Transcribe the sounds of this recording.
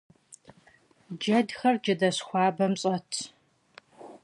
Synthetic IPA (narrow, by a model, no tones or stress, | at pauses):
d͡ʒɐdxɐrd͡ʒɐdɐɕxʷɑːbɐmɕʼɐtʰ